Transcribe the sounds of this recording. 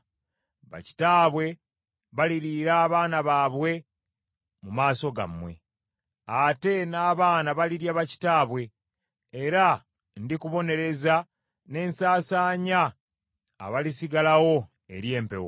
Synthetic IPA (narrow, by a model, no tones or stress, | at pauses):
βa̰ci̥taːβwe̞ | βaliɾiɾaːβaːnaβaːβwe̞ | mumaːso̞ɡa̰mwe̞̰ | ate̞naːβaːnaβaliɾjaβaci̥taːβwe̞ː | ɾa | ndikuβo̞ne̞ɾe̞za | ne̞ːnsaːsaːɲa̰ː | βalisiɡalawo̞ | e̞ɾje̞ːmpe̞̰wo̰